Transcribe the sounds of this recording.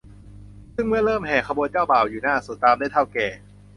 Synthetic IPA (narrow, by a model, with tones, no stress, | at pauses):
sɯ˥˩ŋmɯ˥˩ɐlɤː˥˩mhɛː˨˩kʰa˧bu˧ənt͡ɕaː˥˩wbaː˨˩wjuː˨˩naː˥˩su˨˩˦t̪aː˧mndaː˥˩jt̪ʰa˥˩wkɛː˨˩